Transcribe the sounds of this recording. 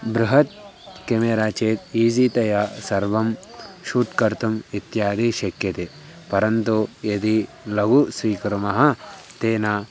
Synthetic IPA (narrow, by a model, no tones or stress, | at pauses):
bɾuɦɐt̪̚ | kemeːɾaːt͡ʃeːt̪iːd͡ʒit̪ɐjasɐɾʋɐmʃuːʈkɐɾt̪umit̪jaːd̪iʃɐkjɐt̪e | pɐɾɐnt̪ujed̪i | lɐɡusʋiːkɐɾumɐɦɐ | t̪eːnaː